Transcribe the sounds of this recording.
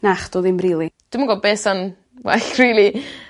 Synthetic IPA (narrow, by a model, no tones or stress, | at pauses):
naχd̥oːðɪmrilˠid̥ɪmaɡɔbeːsan | wɛ̰ɬrilˠi